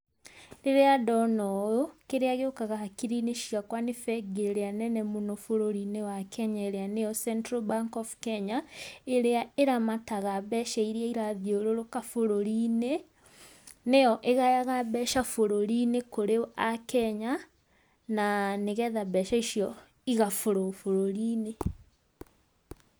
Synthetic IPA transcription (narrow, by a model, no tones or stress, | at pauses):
ɾeɾeadɔnɔjokeɾeaɣeokaɣahakiɾineʃiakwanefɛɡeɾeanɛnɛmonofoɾoɾinewakʰɛɲaeɾeanejɔsɛntɾobaŋkɔfkɛɲaeɾeaeɾamataɣabɛʃaiɾeaiɾaðjoɾoɾokafoɾoɾine | nejɔʔeɣajaɣaβɛʃafoɾoɾinekoɾeakɛɲa | naneɣɛðabɛʃaiʃjɔ | iɣafoɾofoɾoɾiːne